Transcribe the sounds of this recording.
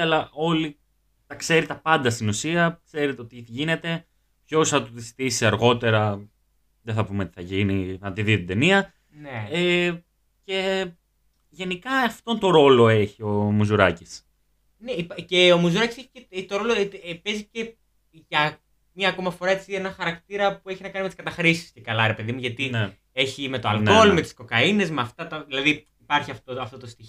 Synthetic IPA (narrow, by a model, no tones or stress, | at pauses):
ɐlɐʔo̞li | t̪ɐkse̞ɾit̪ɐpɐnd̪ɐst̪inusiɐkse̞ɾet̪eot̪iʝine̞t̪e̞ | pço̞sθɐt̪uðisi̥t̪isiɐɾɣo̞t̪e̞ɾɐ | ðeθɐpumei̥θɐʝiniɐt̪iðit̪id̪e̞niɐ | nee | ce̞ | ʝe̞nikɐɐft̪o̞nt̪o̞ɾo̞lo̞e̞çio̞muzuɾɐcis | neipce̞omuzuɾɐciseçi̥ceet̪oɾo̞lopezice̞ | ʝɐ | mɐko̞mɐfo̞ɾɐet͡sie̞nɐxɐɾɐkt̪iɾɐpueçinɐkɐnimeiskɐt̪ɐxɾisi̥scekɐlɐɾe̞pe̞ðimuʝɐt̪i | e̞çime̞t̪oɐlno̞lme̞t̪i̥sko̞kɐine̞zmeɐft̪ɐt̪ɐðilɐði | ipɐɾçiɐft̪oɐft̪ot̪ost̪i